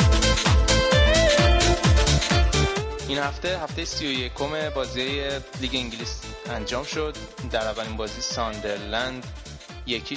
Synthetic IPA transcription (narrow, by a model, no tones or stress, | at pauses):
ʔinhæft̪ehæft̪ejesijo̞je̞kʰo̞me̞bɒːziejeliːɡe̞iŋɟilisiænd͡ʒɒːmʃo̞d̪̚ | d̪æɾævːælinbɒːziːsɒnd̪e̞ɾlænd̪ | je̞cʰi